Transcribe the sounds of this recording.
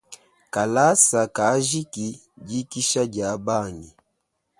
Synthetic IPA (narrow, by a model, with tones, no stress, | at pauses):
ka˨la˦sa˨ka˨˦ʒi˦ki˨ | ɟi˦ki˦ʃa˦ɟa˨˦ba˦˨ni˨